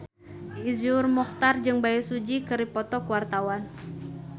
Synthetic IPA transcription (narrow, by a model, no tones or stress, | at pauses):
izurmɔht̪ard͡ʒɨŋbajisud͡ʒikɨɾipɔt̪ɔkuwart̪awan